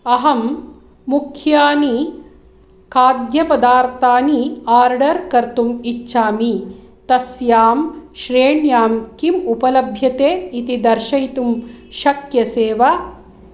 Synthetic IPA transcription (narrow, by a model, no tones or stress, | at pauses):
ɐɦɐmː | ukʰjaːni | kaːɡjɐpɐd̪aːɾt̪aːniaːɾɖɐɾkɐɾt̪umit͡ʃːʃaːmit̪ɐsjaːmʃɾeːɳjaːmkimupɐlɐbʱjɐt̪eːit̪id̪ɐɾʃɐjt̪umʃɐkjɐseːʋɐ